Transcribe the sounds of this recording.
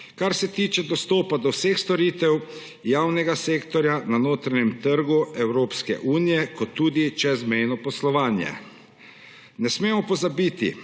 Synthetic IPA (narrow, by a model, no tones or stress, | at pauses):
kaɾsɛt̪iːt͡ʃɛd̪ɔst̪oːpad̪ɔwsexst̪ɔɾiːt̪ɛw | jaːwnɛɡaseːkt̪ɔɾjananoːt̪ɾaɲɛmt̪əɾɡuɛwɾoːpskɛ̰ʔuːnijɛkɔt̪ːuːd̪it͡ʃɛzmɛjnɔpɔslɔʋaːnjɛ̰ | nɛsmeːmɔpɔzabiːt̪ḭ